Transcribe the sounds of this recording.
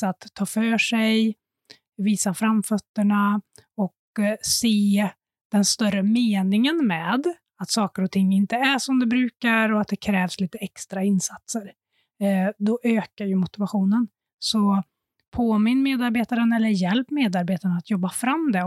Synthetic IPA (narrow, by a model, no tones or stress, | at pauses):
at̪ʰːɑːfœːʂɛj | viːsafɾamfœt̪ːəɳaɔk | seː | d̪̥ɛnst̪œrəmeːnɪŋənmɛːd̪ | at̪sɑːkəɾɔt̪ʰɪŋːɪnt̪əæʂɔmd̪ɛbɾʉ̟ːkaɾɔat̪̚d̪ɛkʰɾɛːvsliːt̪əɛkst̪ɾaɪnsat̪səɾ | d̪ɔʔøːkajɵmʊt̪ɪvaɧuːnən | sɔ | pʰoːmɪnːmeːd̪aɾbeːt̪aɾənɛlːəɾjɛlpmeːd̪aɾbeːt̪aɳaat̪jɔbːafɾamːd̪ɛ